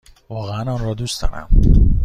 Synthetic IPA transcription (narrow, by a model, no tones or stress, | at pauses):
vɒːɣeænɒnɾɒːd̪ust̪ɒ̰ːnæ̰m